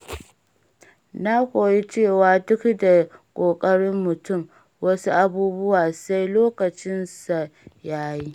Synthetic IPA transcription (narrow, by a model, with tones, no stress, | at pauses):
na˦kʷoː˨ji˦t͡ʃeː˦˨waː˨dʊ˦kda˨kʷʼoː˨kʼɐ˦ɽɪ˦mːʊ˨tʊ˦˨m | wɐ˦su˦ʔa˦buː˦bʊ˦waː˨sa˦jloː˦kɐ˨t͡ʃɪ˦nsa˨jaː˦jiː˦